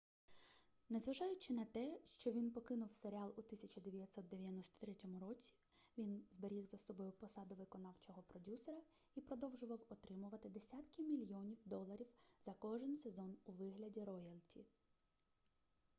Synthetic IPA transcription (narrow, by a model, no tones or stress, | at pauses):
nezʋɐʒɑjʊt͡ʃɪnɐt̪ɛʃt͡ʃɔʋʲinpɔkɪnʊwseɾʲɪɑlˠut̪ɪsʲɐt͡ʃɐd̪eʋʲjɐtʲsɔt̪̚d̪eʋʲjɐnɔst̪ɔ̥t̪ɾɛtʲɔmʊɾɔt͡sʲi̥ | ʋʲinzbeɾʲiɣzɐsɔbɔjʊpɔsɑd̪ʊʋɪkɔnɑwt͡ʃɔɦɔpɾɔdʲusɔɾɐ | ipɾɔd̪ɔwʒʊʋɐwɔt̪ɾɪmʊʋɐt̪ɪd̪esʲat̪kɪmʲilʲjɔnʲiwd̪ɔlˠɐɾʲiwz̥ɐkɔʒɪnse̞zɔnuʋɪɦlʲɐdʲiɾɔjɐlʲˠtʲḭ